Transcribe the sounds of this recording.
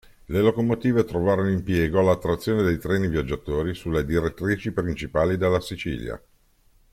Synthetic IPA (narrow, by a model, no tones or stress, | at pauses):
lelokomot̪iːvet̪ɾovaːɾonoimpjɛːɡoalːat̪ːɾat̪sːjoːned̪ejt̪ɾɛːnivjad͡ʒːat̪oːɾisulːed̪iɾet̪ːɾiːt͡ʃipɾint͡ʃipaːlid̪elːasit͡ʃḭːlja̰